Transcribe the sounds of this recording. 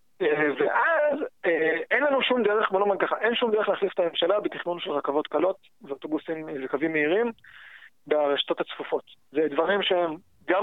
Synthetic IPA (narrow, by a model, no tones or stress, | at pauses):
eveʔazeenlanuʃumd̪eʁeχbolomankaχaʔe̞nʃumd̪ee̞χleːχlifet̪ame̞mʃalabet̪iχnunʃelʁakavo̞t̪kalo̞t̪ | veot̪obusimzekavimːeiʁim | beaʁeʃḁt̪o̞t̪hat͡sfufo̞t̪zed̪vaʁimʃeem | ɡa